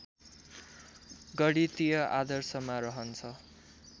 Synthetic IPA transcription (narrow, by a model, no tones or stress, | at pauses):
ɡʌɽit̪ijʌʔad̪ʌrsʌmaɾʌɦʌnt͡sʰʌ